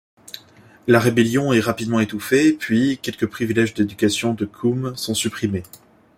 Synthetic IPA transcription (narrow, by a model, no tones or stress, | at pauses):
laʁebɛljɔ̃ɛʁapid̪mɑ̃et̪ufepɥikʲɛlkəpχivilɛʒd̪ed̪ykʲasjɔ̃d̪əkʰumsɔ̃sypχime